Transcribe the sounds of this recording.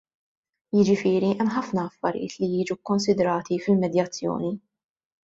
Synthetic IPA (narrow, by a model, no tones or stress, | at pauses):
jɪd͡ʒɪfɪːɾiʔɛmːħɐfnɐːfːɐ̰ɾjɪ̰ːt̪lijiːd͡ʒukːɔnsɪd̪ɾɐːt̪ifɪlmɛd̪jɐt͡sːjɔ̰ːni